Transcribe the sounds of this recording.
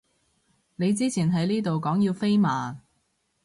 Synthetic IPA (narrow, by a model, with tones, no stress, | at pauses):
ne˨˧jt͡siː˥t͡sʰiː˨˩nɦɐ˨˥jliː˥t̪o˨wkɔː˨˥ŋjiː˧wfe˥jmaː˨